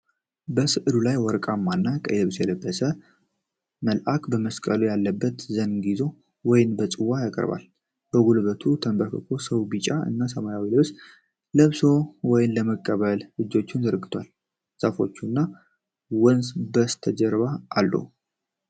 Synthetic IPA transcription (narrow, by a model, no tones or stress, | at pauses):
bəsɨʔɨd̪ulajwɔɾkʼamːanːakʼə̰jləβsjɛləbːəsə | məlʔakbəməskʼəlujalːəbːət̪zənɡizo̞ | wɔjɪnbət͡sʼɨwːajakʼə̰ɾba̰l | b̥əɡulβət̪ʰut̪ʰəmbəkʰəkʰo̞səwbɨt͡ʃʼaɨ̰nːasəmajawiləβs | ləβso̞wɔjɪnləməkʼːəβəllɨd͡ʒːo̞t͡ʃːɪnzəɾɡɨt̪ʰwal | safo̞̰t͡ʃːunːa | wənsbəst̪ʰəd͡ʒəɾβaːlːṵ